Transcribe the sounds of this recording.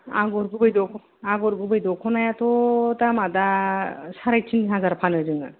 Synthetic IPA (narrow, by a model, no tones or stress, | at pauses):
a̰ɡɔɾɡubajdɔkʰ | aɡɔɾɡubajdɔkʰɔnajat̪ɔt̪amadasaɾajtʰinɦazaɾpʰanɯzɯŋa̰